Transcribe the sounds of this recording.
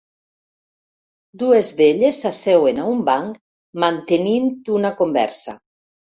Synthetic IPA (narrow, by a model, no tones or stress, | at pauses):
d̪uezβeʎesːasɛwenaumbaŋk | mant̪enint̪unakombɛ̰ɾsa